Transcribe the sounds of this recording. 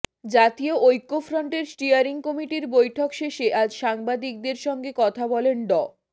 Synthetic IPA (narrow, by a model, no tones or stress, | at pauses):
d͡ʑat̪ioojkːofɾoɳʈeɾsʈiaɾiŋkɔmiʈiɾbojʈʰokʃeʃeʔad͡ʑʃaŋbad̪ik̚d̪eɾʃɔŋɡekɔt̪ʰabɔlenɖɔ